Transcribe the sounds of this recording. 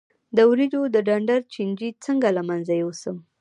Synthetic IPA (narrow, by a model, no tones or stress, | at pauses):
d̪əwɾid͡ʒod̪əɖaɳɖaɾt͡ʃind͡ʒit͡səŋɡalamanzajowsəm